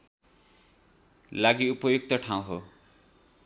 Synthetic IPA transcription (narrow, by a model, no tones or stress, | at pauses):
laɡiupʌjuk̚t̪ʌʈʰaw̃ɦo